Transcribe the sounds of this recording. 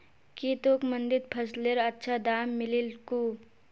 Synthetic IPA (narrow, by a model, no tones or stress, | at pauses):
kit̪oːkmə̃nd̪ɪd̪̚pʰɐsleɾətːʃʰad̪aːmːɪlilku